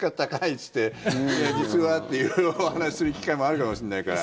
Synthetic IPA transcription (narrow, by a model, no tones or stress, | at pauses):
kat̪akait͡sɨ̥t̪ːe̞jad͡ʑit͡sɨβat̪ːe̞jɯo̞hanaɕi̥sɨɾɯ̟kʲi̥kaimo̞aɾɯ̟kamo̞ɕĩnːaikaɾa̰